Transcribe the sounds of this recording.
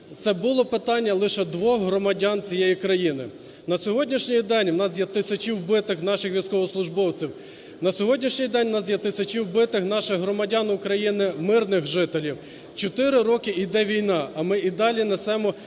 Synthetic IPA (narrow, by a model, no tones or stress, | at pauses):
t̪sɛbʊlˠɔpɪt̪ɑnʲːɐlˠɪʃɛd̪ʋɔxɦɾɔmɐdʲɑnt͡sʲijɛjikɾɐjinɪ̰ | nɐsʲɔɦɔdʲnʲiʃnʲijd̪ɛnʲwnɑs̬jɐt̪ɪsʲɐt͡ʃiwbɪt̪ɪxnɑʃɪxʋʲijsʲkɔʋɔslˠʊʒbɔwt͡sʲiw | nɐsʲɔɦɔdʲnʲiʃnʲijd̪ɛnʲnɑs̬jɐt̪ɪsʲɐt͡ʃiwbɪt̪ɪxnɑʃɪɦɾɔmɐdʲɑnʊkɾɐjinɪmɪrnɪxʒɪt̪elʲiw | t͡ʃɔt̪ɪɾɪɾɔkɪid̪ɛʋʲijnɑɐmɪid̪ɑlʲinesɛmɔ